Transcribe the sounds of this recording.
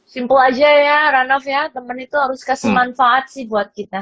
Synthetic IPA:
simpəlad͡ʒajaɾanɔfjat̪əmənit̪uɦaɾʊskasəmanfaʔat̪̚sɪhbuat̪̚kit̪a

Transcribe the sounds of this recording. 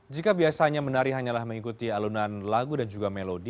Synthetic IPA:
d͡ʒikabiasaɲamənaɾiɦaɲalahməŋikut̪ialunanlaɡudand͡ʒuɡamelodi

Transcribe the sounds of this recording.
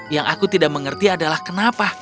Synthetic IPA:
jaŋʔakut̪idaʔ̚məŋərt̪iadalahkənapa

